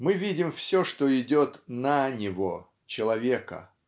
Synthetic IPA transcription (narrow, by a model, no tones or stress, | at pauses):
mɨvʲidʲɪmfsʲoʂt̪oɪdʲot̪nənʲɪvo | t͡ɕɪlˠɐvʲe̞kə̰